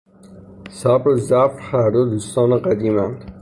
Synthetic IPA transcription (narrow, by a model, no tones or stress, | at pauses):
sæbɾzæbɾhæɾd̪od̪uːst̪ɒːneɢæd̪iːmænd̪